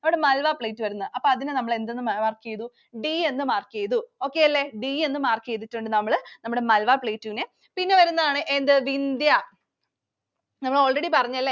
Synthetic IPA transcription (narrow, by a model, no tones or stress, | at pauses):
ɐʋiɽemɐlʋapɭejtːɨʋɐɾunːɐʔɐpːoːɐðinɨnɐmːɐɭe̞nd̪enːɨmaːrkːijɐðu | ɖie̞nːɨmaːrkejɐðuo̞ːkːe̞jɐlːe̞ɖie̞nːɨmaːrkijejt̪ːitːuɳɖɨnɐmːɐɭnɐmːuɽemɐlʋaːpɭejtːuine | pinːe̞ʋɐɾunːɐðaːɳɨʔe̞nd̪ɨʋind̪jɐ | nɐmːɐɭo̞ːɭreɽipɐrɐɲːɐlːe